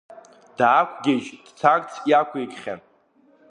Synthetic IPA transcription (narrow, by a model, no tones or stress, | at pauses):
d̥aːkʷʰɡʲeʒd̥t͡sʰakʼt͡sʰjakʷʰajkʼχʲa̰n